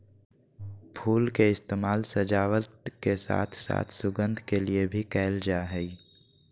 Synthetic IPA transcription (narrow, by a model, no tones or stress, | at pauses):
pʰuːlkeɪst̪eːmaːlsəd͡ʒaːwət̪kesa̰ːt̪ʰsa̰ːt̪ʰsʊɡə̃nd̪ʱkeliebʱikɛːld͡ʒaɦɛi